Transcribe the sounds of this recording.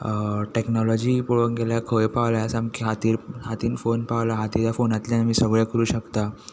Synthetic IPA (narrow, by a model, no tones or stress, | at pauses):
ʈeknɔlɔd͡ʑiːpoɭəŋɡeljakʰəjpaʋlajasamkʰeɦat̪iːɾɦat̪iːnfonpawlaɦat̪iːɾjafonat̪ljamiːsəɡɭjakəɾuːɕəkt̪a